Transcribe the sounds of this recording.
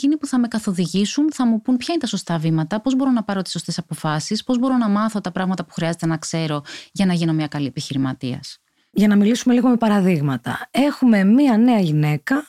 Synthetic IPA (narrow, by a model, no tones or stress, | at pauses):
ecinipuθɐme̞kɐθo̞ðiʝisunθɐmupunpçɐinet̪ɐso̞st̪ɐvimɐt̪ɐpo̞zbo̞ɾo̞nɐpɐɾo̞t̪iso̞st̪e̞sɐpo̞fɐsispo̞zbo̞ɾo̞nɐmɐθo̞t̪ɐpɾɐɣmɐt̪ɐpu̥xɾiɐze̞t̪e̞nɐkse̞ɾo̞ʝɐnɐʝino̞mɲɐkɐlie̞piçiɾimɐt̪iɐ̰s | ʝɐnɐmilisume̞liɣo̞me̞pɐɾɐðiɣmɐt̪ɐe̞xume̞miɐne̞ɐʝine̞kɐ